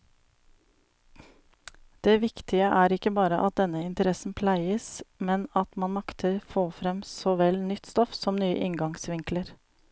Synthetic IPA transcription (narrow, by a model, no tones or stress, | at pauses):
d̪̥eːʋɪkt̪ɪəʔæːɾɪkəbɑːɾəʔɑt̪̚d̪ɛnəɪnt̪əɾɛsn̩pʰlæɪəsmɛnɑt̪mɑnmɑkt̪ʰəɾfoːfɾɛmsɔʋɛlnʏt̪st̪ɔfsɔmnyːə̰ʔɪŋɡɑŋsʋɪŋkləɾ